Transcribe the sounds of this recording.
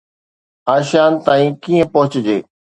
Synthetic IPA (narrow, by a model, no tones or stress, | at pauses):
aːʃjaːnt̪aːĩːkiːə̃pɐɦʊt͡ɕd͡ʑḛː